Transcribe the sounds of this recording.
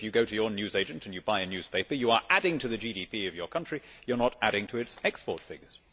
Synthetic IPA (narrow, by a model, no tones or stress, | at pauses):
ɪfjɨɡoʊɾɨjə˞njʉzeɪd͡ʒɨ̃ntɨ̃njɨbaɪɨnjʉz̥pʰeɪpə˞jəə˞ʔæɾɪ̃ŋtʰɨðɨd͡ʒiɾipʰiʌvjə˞kʰʌ̃nt͡ʃɹ̥ijə˞nəɾæɾɪ̃ŋtʰɨɨtsɛkspɔɹtfɪ̰ɡə˞z̥